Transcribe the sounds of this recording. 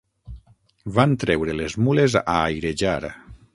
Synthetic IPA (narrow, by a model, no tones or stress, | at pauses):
vant̪ɾɛwɾelezmuleza̰jɾeʒaɾa̰